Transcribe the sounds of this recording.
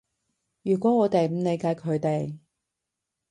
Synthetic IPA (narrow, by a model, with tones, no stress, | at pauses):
jyː˨˩kʷɔː˨˥ŋɔː˨˧t̪e˨jm̩˨˧ne˨˧jkaː˧jkʰɵ˨˧ɥt̪e˨j